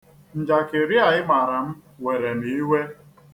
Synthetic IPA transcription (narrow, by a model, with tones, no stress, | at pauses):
n̩˨d͡ʒa˨kɪ˨ɾja˨ɪ˦ma˨ɾa˨m̩˦we˨ɾe˨mi˨˦we˦